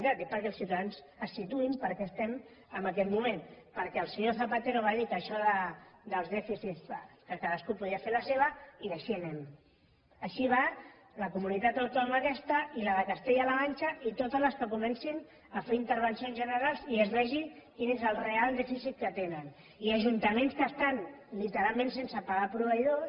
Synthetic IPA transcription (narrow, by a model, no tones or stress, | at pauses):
it̪at̪epəɾkɛlˠsiuwt̪aðanz | əsːit̪uimpəɾkɛəst̪ɛm | əmbəkɛt̪mumenpəɾkɛəlˠsəɲoθəpat̪eɾoβaðikəʃɔðəd̪əlˠzðɛfisitskəkaðəskupuðiəfeləseβ̞əiðəʃinɛm | əʃiβa | ləkumunit̪at̪awt̪ɔmakɛst̪əiləðəkəst̪eʎaləβanʲt͡ʃəʔit̪ot̪əzləskəkumɛnsin | əfeɾint̪əɾβ̞ənsionzʒənəɾalˠziezlɛʒikinezəlˠrealˠd̪ɛfisit̪̚kət̪enən | iəʒunt̪əmẽnskəst̪anlit̪əɾalˠmẽnsensəpaɣapɾuβəiðo